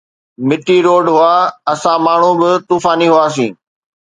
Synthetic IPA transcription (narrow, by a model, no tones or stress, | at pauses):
mɪʈiɾoːɖɦʊaːɐsãmaːɳ̤ũbɪt̪uːfaːniɦʊaːs̬ĩː